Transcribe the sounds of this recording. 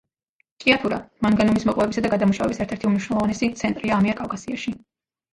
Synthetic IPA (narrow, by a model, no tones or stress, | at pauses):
t̪ʼiat̪ʰuɾa̰maŋɡanumismɔqʼvɛbisad̪aɡad̪amuʃavɛbisɛɾt̪ʰɛɾt̪ʰiumniʃwnɛlˠɔvanɛsit̪sʰɛnt̪ʼɾiaːmiaɾkʼavkʼasiaʃi